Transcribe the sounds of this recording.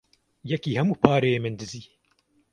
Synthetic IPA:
jɛkiːhɛmuːpʰaːɾeemɨnd̪ɨziː

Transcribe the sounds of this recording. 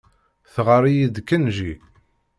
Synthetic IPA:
θʁəɾˤijid̪kːənʒi

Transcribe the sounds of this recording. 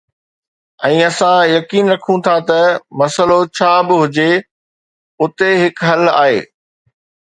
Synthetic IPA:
ɛ̃ːɐsãjɐkiːnɾɐkʰũt̪ʰat̪ɐmɐsəlot͡ɕʰaːbɪɦʊd͡ʑe | ʊt̪eɦɪkɦɐla̰ːɦḛː

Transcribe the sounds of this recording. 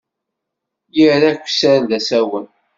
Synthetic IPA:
jiɾækʷːsəɾnðæsæwən

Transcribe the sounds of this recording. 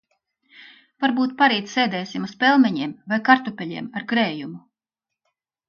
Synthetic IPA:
vaɾbuːt̪̚paɾiːt̪ssɛːd̪ɛːsimuspʲɛlˠmɛɲiɛmvajkaɾt̪upʲɛlʲḭɛmaɾɡɾɛːjumu

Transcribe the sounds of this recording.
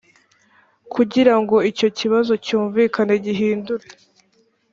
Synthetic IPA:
kʰuɟiɾaŋɡo̞ico̞ciβazo̞cuːɱviːkaneɟiɦiːnduɾe

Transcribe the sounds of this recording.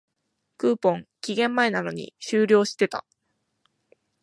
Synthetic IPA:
kɯ̟ːpõ̞ŋkʲiɡẽ̞mːae̞nano̞ɲ̟ḭɕɨːɾʲo̞ːɕi̥t̪e̞t̪a̰

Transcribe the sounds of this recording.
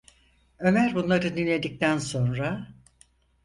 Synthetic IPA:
ø̞mæɾbunlˠaɾɯd̪inlːʲe̞d̪ic̚t̪ʰænso̞nɾa

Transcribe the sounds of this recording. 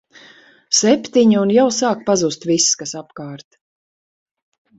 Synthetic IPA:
sɛpʲt̪iɲiunjawsaːk̚pazust̪visːkasapkaːɾt̪

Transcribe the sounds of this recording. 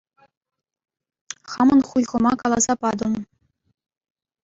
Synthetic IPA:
χɑmɤ̆nχujʁɤ̆mɑkɑlˠɑzɑpɑd̪ɤ̆n

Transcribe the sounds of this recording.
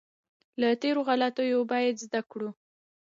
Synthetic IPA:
lat̪eɾoɣalat̪əjobɑjad̪zd̪akɽu

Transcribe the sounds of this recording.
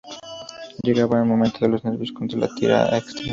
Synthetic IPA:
ʎeɣaβaelmomẽnt̪oðelozneɾβjoskont̪ɾala̰t̪iɾa̰ekst̪ɾen

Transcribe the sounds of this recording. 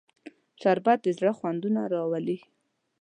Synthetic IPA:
sɑɾbɑd̪̚d̪əzɽəxwand̪unaɾɑwali

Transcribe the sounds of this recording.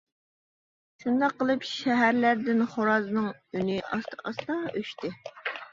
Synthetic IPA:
ʃund̪ɑqːəlˠɨpʃɛɦæɾlæɾd̪ɪnχoɾɑznɨŋynɪʔɑ̰st̪ʰʔɑst̪ɑøʃt̪ɪ

